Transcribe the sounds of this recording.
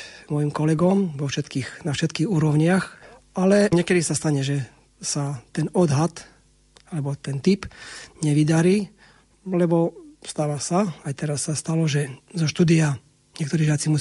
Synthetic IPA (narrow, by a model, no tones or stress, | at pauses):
mɔjimkɔlɛɡɔmʋɔfʃɛt̪kiːɣnafʃɛt̪kiːɣuːɾɔʊɲɪax | alɛɲɛkɛd̪isast̪aɲɛʒɛ | sat̪ɛnɔd̪ɦat̪ | alɛbɔt̪ɛnt̪ipɲɛʋid̪aɾiː | lɛbɔst̪aʋasaajt̪ɛɾasːast̪alɔʒɛzɔʃt̪uːd̪ia | ɲɛkt̪ɔɾiːʒɪat͡simu